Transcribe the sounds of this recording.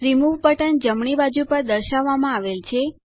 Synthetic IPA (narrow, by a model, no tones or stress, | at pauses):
ɾimuʋpəʈənd͡ʒəmɳibad͡ʒupəɾd̪əɾʃaʋːamãaʋelt͡ʃʰe